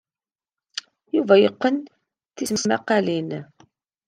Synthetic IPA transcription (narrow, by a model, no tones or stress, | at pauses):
juvæjəqːən | θisməsmæ̰qːɑlin